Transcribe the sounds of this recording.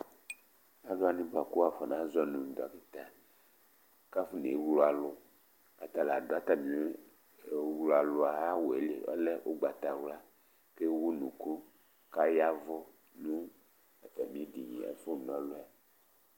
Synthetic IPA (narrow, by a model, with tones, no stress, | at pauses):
a˦do˦a˨˦nĩ˦ba˨ku˦wa˨fɔ˨nã˨˦zɔ˦nũ˨d̪a˨ki˦t̪a˨ | ka˦fu˦ne˨˦wlo˦a˨lʊ˦ | a̰˨t̪a˨la˨do˨˦a˦t̪a˨mĩ˨˦˨ | wla˨lʊ˨˦a˨ɦa˦wo˨e˨lḛ˨ɔ̰˦le˦ʔo˦ɡ͡ba˨t̪a˨wla˦ | ke˦wu˦nũ˨ku˦ | ka˦ja˦vɔ˦ | nũ˦ | a˨t̪a˨mĩ˨˦e˦di˨ɲḭ̃˨ḛ˨fo˦˨nɔ̃˦lo˦a˨